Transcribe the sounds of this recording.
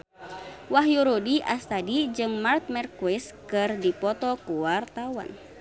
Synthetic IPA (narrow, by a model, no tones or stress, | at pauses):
waɦjuɾodiʔast̪adid͡ʒɨŋmart̪̚mɛrkuɛskɨrdipɔt̪ɔkuwart̪awa̰n